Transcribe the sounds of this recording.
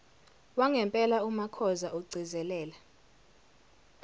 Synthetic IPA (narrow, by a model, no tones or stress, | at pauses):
waŋɛmpʼɛlaumakʰɔzaʔuɡ͡ǀʱizɛlɛːla